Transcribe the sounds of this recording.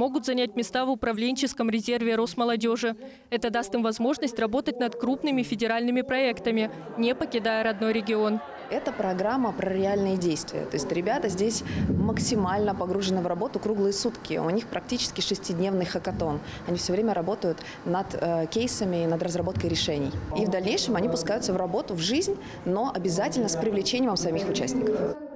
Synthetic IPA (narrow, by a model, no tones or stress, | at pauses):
mo̞ɡʊt̪zɐnʲæt̚ʲmʲɪst̪avʊpɾɐvlʲenʲt͡ɕɪskəmɾʲɪzʲe̞rvʲɪɾo̞sməlˠɐdʲo̞ʐɨ | ɛt̪əd̪ast̪ɨmvɐzmo̞ʐnəsʲtʲrɐbo̞t̪ət̚ʲnɐt̪kɾupnɨmʲɪfʲɪdʲɪɾalʲnɨmʲɪpɾɐɛkt̪əmʲɪ | nʲepəkʲɪd̪ajəɾɐd̪no̞jɾʲɪɡʲɪo̞n | ɛt̪əpɾɐɡɾamːəpɾəɾʲɪalʲnɨjədʲejst̪vʲɪ̰jə̰t̪o̞ɪsʲtʲɾʲɪbʲat̪əzʲdʲesʲməksʲɪmalʲnəpɐɡɾuʐɨnɨvrɐbo̞t̪ʊkɾuɡlˠɨjəsut̪kʲɪ̰ʊ̰nʲixpɾɐk̚tʲit͡ɕɪ̥skʲɪʂɨsʲtʲɪdʲnʲe̞vnɨjxəkɐt̪o̞n | ɐnʲifsʲovɾʲemʲəɾɐbo̞t̪əjʊt̪ | nɐt̪kʲejsəmʲɪːnəd̪rəzrɐbo̞t̪̚kəjɾʲɪʂɛnʲɪjivd̪ɐlʲnʲejʂɨmɐnʲipʊskajʊt̪səvrɐbo̞t̪ʊvʐɨzʲnʲ | no̞ʔɐbʲɪzatʲɪlʲnəspɾʲɪvlʲɪt͡ɕenʲɪjməmsɐmʲixʊt͡ɕæsʲnʲɪkəf